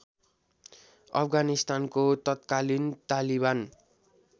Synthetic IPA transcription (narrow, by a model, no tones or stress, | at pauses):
ʌ̰pʰɡanist̪ankot̪ʌt̪̚kalint̪aliban